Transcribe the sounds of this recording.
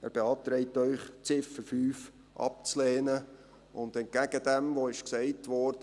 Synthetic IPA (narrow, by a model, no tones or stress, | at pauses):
æ̰ːɾb̥eɑːp̚t̪ɾɛɪtœʏχt͡sɪfəɾfyːf | ʔɑ̰p̚t͡slɛːnə | ʊndɛnt̚ɡ̥æɡ̥əd̥ɛmʋoɪʃksɛɪtʋɔɾd̥ə